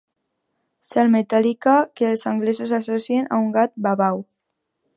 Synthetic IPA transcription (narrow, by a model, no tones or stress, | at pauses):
salmet̪alikakelsaŋɡlesosasosiena̰uŋɡat̪̚baβaw